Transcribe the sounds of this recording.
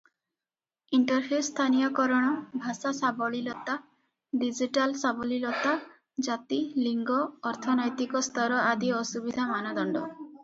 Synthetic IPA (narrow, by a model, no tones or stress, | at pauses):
iɳʈɔɾpʰust̪ʰanijɔkɔɾɔɽ̃ɔbʱasasabɔɭilɔt̪a | ɖid͡ʒiʈalsabɔlilɔt̪a | d͡ʒat̪iliŋɡɔːɾt̪ʰɔnɔjt̪ikɔst̪ɔɾɔʔad̪iɔsubid̪ʱamanɔd̪ɔɳɖɔ